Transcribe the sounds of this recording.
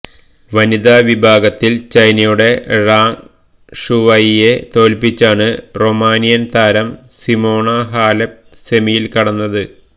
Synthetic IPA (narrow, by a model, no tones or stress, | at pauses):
ʋɐnid̪aːʋibʱaːɡɐt̪ːilt͡ɕɐjnɐjuɽe̞raːŋ | ʂuʋɐjje̞t̪o̞ːlpit͡ɕːaːɳɨro̞maːnijɐnt̪aːɾɐm | simo̞ːɳaɦaːlep̚semijilkɐɽɐnːɐðɨ